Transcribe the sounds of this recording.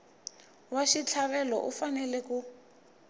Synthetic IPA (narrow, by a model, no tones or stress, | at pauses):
waʃit͡ɬʰaβɛlɔ̰ʔufanɛlɛku